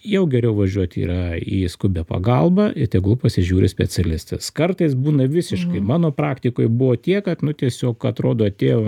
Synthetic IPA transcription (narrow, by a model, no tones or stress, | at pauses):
jɛʊɡʲɛɾʲɛʊʋɐʒʲuɔt̪ʲḭːɾɐiːskʊbʲɛpɐ̰ɡɐlˠbɐɪt̪ʲɛɡulˠpɐsʲɪʒʲuːɾʲɪsʲpʲɛt͡sʲɛlʲɪst̪ɛskɐrt̪ɐɪsbuːnɐʋʲɪsʲɪʃkɐɪmɑːnoːpɾɑːkt̪ʲɪkoːjbʊʋoːt̪ʲiɛkɐt̪nʊt̪ʲiɛsʲoːkɐt̪ɾoːd̪oːɐt̪ʲeːjoː